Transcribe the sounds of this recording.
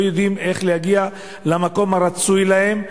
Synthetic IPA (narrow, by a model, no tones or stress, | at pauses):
jod̪ime̞χlehaɡia | lamako̞maɾat͡sujlahe̞m